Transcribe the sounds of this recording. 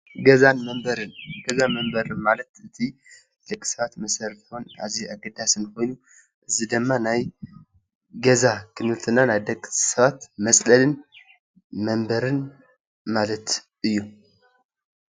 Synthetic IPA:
ɡɐzanməmbəɾɨnɡ̥ɐzaməmbəɾɨmalət̪ɨt̪ʰi | d̪̥əkʼːsɐβat̪məsəɾt̪ʰona̰ziaɡɨd̪asɨnko̞jnu | ʔɨzid̪əmːanaj | ɡɐzakʰɨnɨlt̪ʰʼɨnːanajd̪əkʼsəβat̪məsʼlɐlɨn | məmbəɾɨn | malət̪ | ʔɨjːu

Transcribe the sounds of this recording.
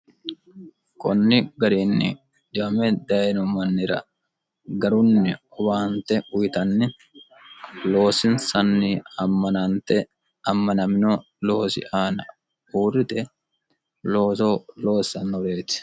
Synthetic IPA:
kɔnːɪɡɐɾiːnːɪ̰ | d̪ɪɐmɛd̪ɐjnʊmɐnːɪɾɐ̰ | ɡɐɾʊnːɪɔbaːnt̪ɛʊjt̪ɐnːɪ | lo̞ːsɪnsɐnːɪɐmːɐnɐnt̪ɛ | ɐmːɐnɐmɪno | lo̞ːsɪ̰ʔaːnɐ | uːɾɪt̪ɛ | loːsolo̞ːsɐnːɔɾe̞ːt̪ɪ̥

